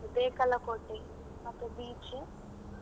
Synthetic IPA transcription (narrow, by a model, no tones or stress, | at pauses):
d̪eːkɐlɐkoʈːe | ɐt̪ubiːt͡ʃi